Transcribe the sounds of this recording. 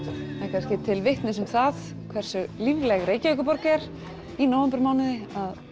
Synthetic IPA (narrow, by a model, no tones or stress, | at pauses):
akʰanscɪt̪ʰɪlvɪht̪nɪsɛmθaθ | kʰvɛr̥sʏlivlɛɣreːjcɪœkʏpɔɾkɛɾ | inoːwvɛmpɪɾmaːwnɪðɪað